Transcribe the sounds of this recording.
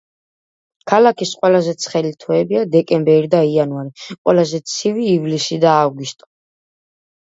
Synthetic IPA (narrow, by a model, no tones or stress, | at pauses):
kʰalakʰisqʼwɛlazɛt̪sʰχɛlit̪ʰɔɛbiad̪ɛkʼɛmbɛɾid̪aianvaɾiqʼwɛlazɛt̪sʰiviːvlisid̪aːvɡust̪ʼɔ̥